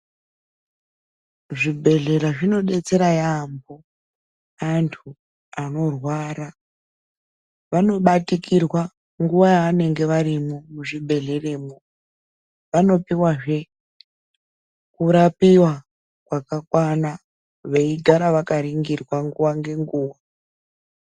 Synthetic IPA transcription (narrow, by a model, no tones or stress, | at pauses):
ʐibʱe̞ɮe̞ɾaʐino̞ɗe̞t͡se̞ɾajambo | antʰu | ano̞rwaːɾa | ʋano̞ɓatikirwa | ŋɡuʋajaːne̞ŋɡe̞ʋaɾimomuʐibʱe̞ɮe̞re̞ːmo | ʋano̞piwaʐe̞ | kuɾapiwa | kwakakwana | ʋeiɡʱaɾaʋakaɾiŋɡirwaŋɡuwaŋɡe̞ŋɡuːwa